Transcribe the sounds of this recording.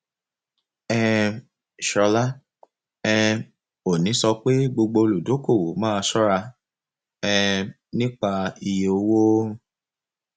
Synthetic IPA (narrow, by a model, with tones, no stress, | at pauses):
ɛ˧˨ | ʃɔ˧la˦ | ɛ̃˧ | o˨nĩ˨˦sɔ˧k͡pe˦ɡ͡bo˧ɡ͡bo˧o˧lu˨do˨˦ko˦˨wo˨˦mãː˦˧sɔ˦ɾa˧ | ɛ̃˧ | nĩ˦k͡pa˧i˧je˨o˨˦wo˦